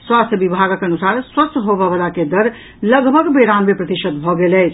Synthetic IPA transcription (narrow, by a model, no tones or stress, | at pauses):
swast̪ʰjəbibʱaɡkənusaɾswəst̪ʰɦobəʋəlaked̪əɾ | ləɡbʱəɡbeɾammepɾət̪iʃəd̪̚bʱɔɡelɛt͡ʃʰ